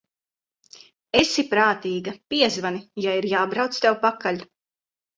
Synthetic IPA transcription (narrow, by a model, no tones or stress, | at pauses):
esipɾaːt̪iːɡɐpiɛzvanijaiɾjaːbɾawt̪st̪ɛwpakaʎʲ